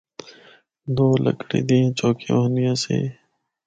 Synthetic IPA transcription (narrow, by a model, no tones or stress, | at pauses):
d̪oːlʔə̰kɽḭːd̪ĩːt͡ʃoːkinɪjãːsḛː